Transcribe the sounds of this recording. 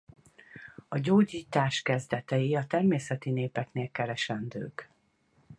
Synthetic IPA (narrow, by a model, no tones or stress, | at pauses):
ɒɟoːɟiːt̪aːʃkɛzd̪ɛt̪ɛjiɒt̪ɛrmeːsɛt̪ineːpɛkneːlkɛɾɛʃɛnd̪ø̰ːk